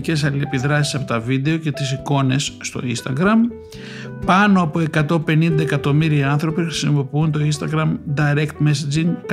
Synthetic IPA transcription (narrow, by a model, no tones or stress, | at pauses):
ce̞s̬ɐliepiðɾɐsisɐpo̞t̪ɐvid̪e̞o̞ce̞t̪isiko̞ne̞sːt̪o̞̰ḭnst̪ɐɡɾɐm | pɐno̞ɐpo̞e̞kɐt̪o̞pe̞nind̪ɐekɐt̪o̞miɾiɐɐnθɾo̞pixɾisimo̞piunt̪o̞inst̪ɐɡɾɐmd̪ɐɾekt̪mesɐd͡ʒiŋk